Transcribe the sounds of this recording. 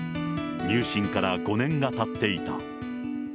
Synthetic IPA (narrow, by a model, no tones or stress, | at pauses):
ɲɨːɕĩŋkaɾaɡo̞nẽ̞ŋɡat̪at̪ːe̞it̪a̰